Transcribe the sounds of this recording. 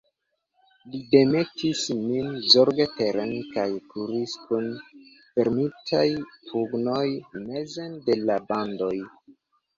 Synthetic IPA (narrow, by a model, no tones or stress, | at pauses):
lide̞metisminzoɾɡete̞ɾenkajkuɾiskun | fe̞ɾmitʰajpuɡno̞jme̞zende̞labando̞j